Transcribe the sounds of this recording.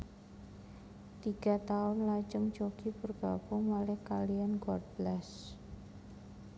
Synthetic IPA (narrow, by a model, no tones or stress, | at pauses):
t̪iɡ̥at̪aʊnlat͡ʃəŋt͡ʃokipərɡ̥a̰pʊŋmalɛhkalianɡɔrd̪̚blɛs